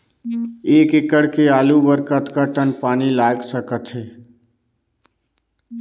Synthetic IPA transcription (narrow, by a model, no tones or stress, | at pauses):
eːkɪkəɽkeaːlubəɾkət̪kaʈənpaːnilaːɡsəkət̪ɦɛː